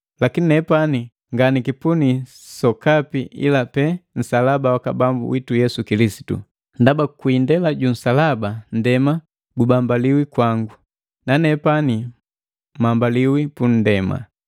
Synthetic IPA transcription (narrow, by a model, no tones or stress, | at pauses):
lakininɛpani | ŋɡanikipuni | sɔkapiʔḭlapɛn̩salabawakabambṵwitujɛsukilisi̥tṵ | ndabakuindɛlaɟun̩salaban̩dɛma | ɡubambaliwikwaŋɡu | nanɛpani | mambaliwipun̩dɛma̰